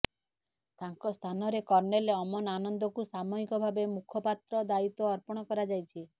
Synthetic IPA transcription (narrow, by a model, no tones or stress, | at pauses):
t̪aŋkɔst̪ʰanɔɾekɔɾneleɔmɔnanɔnd̪ɔkusamɔɦikɔbʱabemukʰɔpat̪ɾɔd̪ait̪ɔːɾpɔɽ̃ɔkɔɾad͡ʒajt͡ʃʰi